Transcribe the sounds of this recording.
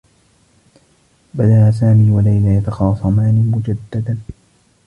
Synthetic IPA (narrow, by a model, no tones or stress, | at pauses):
bad̪aʔas̬aːmiːwalajlajat̪ɑxɑːsˤɑmaːnɪmʊd͡ʒad̪ːad̪an